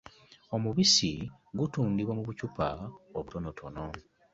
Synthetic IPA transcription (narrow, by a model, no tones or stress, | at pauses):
o̞muβisiɡutuːndiβwamuβucupaoβuto̞no̞tʰo̞no̞